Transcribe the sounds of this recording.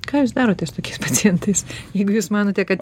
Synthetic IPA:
kɑːjuːs̬d̪ɑːɾoːt̪ʲɛst̪oːkʲɛɪspɐt͡s̪ʲɪjɛnt̪ɐɪsjɛɪɡʊjuːsmɑːnoːt̪ʲɛkɐt̪

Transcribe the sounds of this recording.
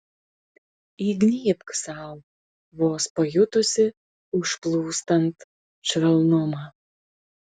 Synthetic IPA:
iɡnʲiːpksɑlˠ | βoːspɐjʊt̪ʊsʲɪ | ʊʃplˠuːst̪ɐnt̪ | t͡ʃɾʲɛlˠnomɑ

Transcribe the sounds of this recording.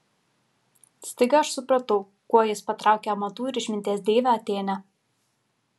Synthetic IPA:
sʲt̪ʲɐɪɡʲɐɐʃsʊpɾɐt̪ɐʊ | kuɔjɪspɐt̪ɾɑˑʊkʲɛɐmɐt̪uːɪɾʲɪʃʲmʲɪnʲt̪ʲiɛsd̪ʲeːʋʲæɐt̪ʲeːnʲɛ

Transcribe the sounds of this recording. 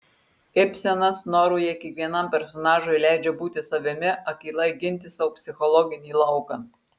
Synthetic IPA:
ɪpʲsʲɛnɐsnɔːɾuːjɛkʲɛkʋʲiɛnɐmʲˑpʲɛɾsɔnɑːʒoɪlʲæˑɪd͡ʒʲɛbuːt̪ʲɪsɐʋʲɪmʲɪɐkʲiːlˠɐɪɡʲɪnʲt̪ʲɪsɑʊpʲsʲɪxɔlˠɔɡʲɪnʲiːlˠɐʊkɑː

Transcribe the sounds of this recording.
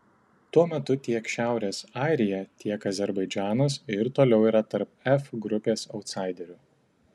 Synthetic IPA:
t̪uɔmʲɛt̪ʊt̪ʲiɛkʃʲæˑʊɾʲeːsɑˑɪɾʲɪjɛt̪ʲiɛkɐzʲɛɾbɐɪd͡ʒʲæːnoːsɪɾt̪oːlʲɛʊiːɾɐt̪ɐɾpɛfɡɾʊpʲeːsɔʊt̪sɑˑɪd̪ʲɛɾʲʊ

